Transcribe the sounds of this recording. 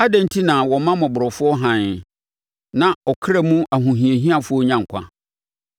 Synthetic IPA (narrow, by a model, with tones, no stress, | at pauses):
a˦dã˨n˦tʰi˦nã˨wɔ˨mã˦mʊ̃˨bʊ˨ɾɔ˨fʊ˦ɔ˦ɦã˨n˨ | nã˨ɔ˨kʰɪ˦ɾa˦˨mũ˦ʔa˨ɦũ˨ɦĩ˨e˨ɦĩ˦a˨fʊ˦ɔ˦ɲã˦ŋ̩˨kʰʷã̰˦